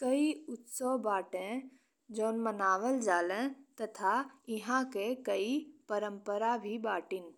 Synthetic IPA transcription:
kəiʊt̪sobaːʈẽ | d͡ʒoːnmənaːʋəld͡ʒaːlẽt̪ɐt̪ʰaɪɦãkekəipəɾə̃mpəɾabʱibaːʈɪn

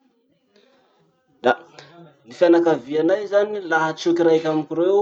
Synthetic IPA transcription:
d̪̥a | nifanakavianajzanilaɦat͡sukirajkʲamkʲiɾe

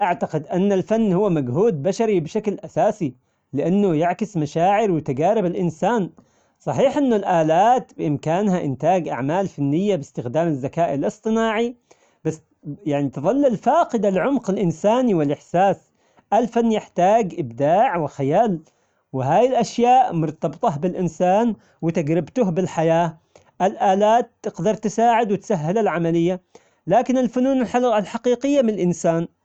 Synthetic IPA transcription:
ʔaʕt̪aqɪd̪ʔanːalfanːhʊwːamaɡhuːd̪̚baʃaɾibɪʃaklʔasaːsi | lɪʔanːʊjɪʕkɪsmaʃaːʕɪɾwɪt̪aɡaːɾɪbalʔɪnsaːn | sˤɑħiːħʔɪnːʊlʔaːlaːt̪bɪʔɪmkaːnhaʔɪ̰nt̪aːɡʔa̰ʕmaːlfanːɪjːabɪst̪ɪxd̪aːmazːakaːʔɪlʔɨsˤt̪ˤɨnaːʕi | b̥asː | jaʕnit̪ɨðˤɑlːɪlfaːqɪd̪alʕʊmqalʔɪnsaːniwɪlʔɪħsaːs | ʔalfanːjɪħt̪aːɡʔɪbd̪aːʕwɪxajaːl | wɪɦaːjɪlʔaʃjaːʔmʊɾˤt̪ɑbt̪ˤɑɦbɪlʔɪnsaːn | wɪt̪aɡɾɪbt̪ʊɦbɪlħajaː | ʔalʔaːlaːt̪ːɪqd̪ɑɾˤt̪ɪsaːʕɪd̪wɪt̪saɦːɪlalʕamalɪjːa | laːkɪnɪlfʊnuːnɪlħaalħaqiːqɪjːamɪnɪlʔɪnsaːn

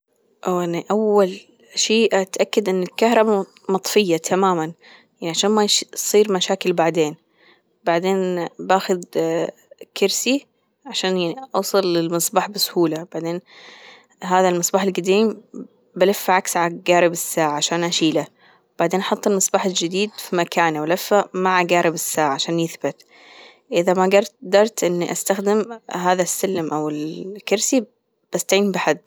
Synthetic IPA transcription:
ʔaʔaniʔawːal | ʃiːʔat̪ʔakːad̪ʔɪnːɪlkahɾˤɑba | mɑt̪ˤfɪjːat̪ʰamaːman | jaʕniʕaʃaːnmajsˤiːɾmaʃaːkɪlbaʕd̪eːn | baʕd̪eːnbaːxʊd̪ | kɪɾsi | ʕaʃaːnjaʕiʔɑwsˤɑlːɪlmɑsˤbaːħbɪsʊhuːlab̥aʕd̪eːn | ɦaːðalmɨsˤbɑːħɪlɡad̪iːm | balafːaʕaksʕaɡaːɾɪbɪsːaːʕaʕaʃaːnʔaʃiːla | b̥aʕd̪eːnʔɑħɑt̪ˤːɑlmɨsˤbɑːħɪld͡ʒɪd̪iːd̪fimakʰaːnʔawlafːamaʕaɡaːɾɪbɪsːaːʕaʕaʃaːnjɪθbɪt̪ | ʔɪðamaɡɑɾˤtd̪ɑɾˤt̪ʔɪnːiʔast̪axd̪ɪmɦaːðasːalːmʔawɪlkɪɾsi | b̥ast̪aʕiːmbɪħad̪ː

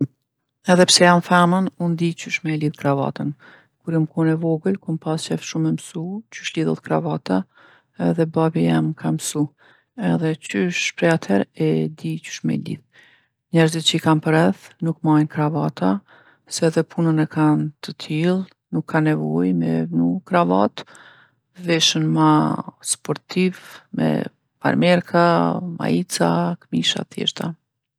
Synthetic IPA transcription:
ɛðɛpsɛjamfamənund̪it͡ʃyʃmɛliðkɾava̰t̪ən | kuɾjamkunɛvɔɡəlkunpast͡ʃɛfʃumɛmsut͡ʃyʃliðɔðkɾa̰vat̪a | ɛðɛbabija̰mkʰamsu | ɛðɛt͡ʃyʃpɾɛat̪ʰɛɾɛd̪it͡ʃy̥ʃmɛ̰lḭð | ɲɛɾzit̪̚t͡ʃəikampəɾɛθnukmajnkɾavat̪ʰa | sɛðɛpʰunənɛkant̪ʰət̪ʰilˠ | nukʰːanɛvɔjmɛ̰vnukɾavat̪ | vɛʃənmaspɔɾt̪ʰivmɛ̰ | fa̰ɾmɛɾkʰama̰it͡sa̰kmiʃa̰θjɛ̰ɾt̪a

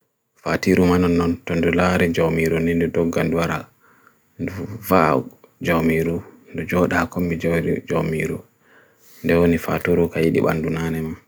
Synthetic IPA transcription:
fatiɾumanɔnːɔntɔndulaɾid͡ʒawmiɾunindudɔɡːanduwaɾa̰ | nduvad͡ʒawmiɾundud͡ʒɔɗakombid͡ʒɾd͡ʒawmiɾu | ndɛwonifa̰tuɾukajiɗḭɓa̰ndunanɛman

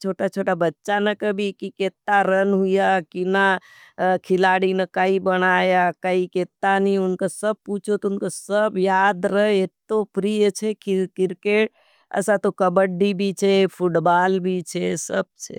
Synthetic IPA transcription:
t͡ʃʰoʈat͡ʃʰoʈabətːʃanəkəbʱikiket̪ːaɾənɦujakina | kʰilaɽinekaibənajakaiket̪ːaniunkasəb̚put͡ʃʰot̪ounkasəbjad̪ɾəɦeet̪ːopʰɾijt͡ʃʰɛkikiɾkeʈ | ə̰sãt̪okəbəɖːibʱit͡ʃʰɛpʰuʈbalbʱit͡ʃʰɛsəb̚t͡ʃʰɛ̰

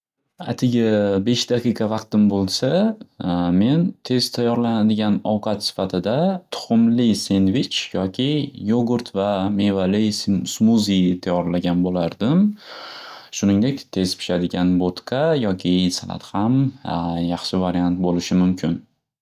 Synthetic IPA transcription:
a̰t̪ʰɪɡʲabe̞ʃd̪aqʰijqʰɑvɑqt̪ɪmbolˠsa | me̞nt̪ʰe̞z̥t̪ʰajɒɾlanad̪ɪɡʲanɒwqʰɑt̪sɪ̥fat̪ʰɪd̪at̪ʰʊ̥χʊmlɪse̞nvɪt͡ʃjɒkʲʰɪjoɡʊɾt̪ʰvame̞valɪsmuzit̪ʰajɒɾlaɡʲanbolaɾd̪ɪm | ʃʊnɪŋd̪e̞kʲt̪ʰe̞z̥pʰɪ̥ʃad̪ɪɡʲanbot̪kʰajɒkʲʰɪsalˠa̰t̪hamjɑχʃɪvaɾiant̪̚bolɪʃɪmʊmkʲʰɪn

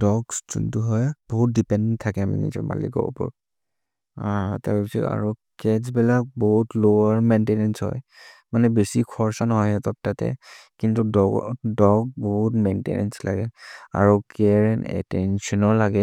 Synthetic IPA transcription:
dɔɡszṵntuɦɔjb̥ɔɦut̚dipɛndɛntʰːakɛma̰nɛ̰zɔ̰ma̰lḭkɔ̰b̰pɔ̰ɹ | ataɹbisɔta̰ɹu | kɛzbɛlak̚bɔɦutlowaɹmentenɛnshɔ̰jmanɛbesikʰɔɹsanɔɦɔjatɔt̚tatɛ̰kintuɔdɔɡbɔɦutmentḛnɛ̰nsla̰ɡɛa̰ɹɔkɛɹnɛ̰tɛnsɔnɔɹlaɡɛ

